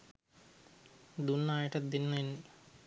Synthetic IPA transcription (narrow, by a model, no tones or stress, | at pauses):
d̪unːaːjiʈɐd̪innenː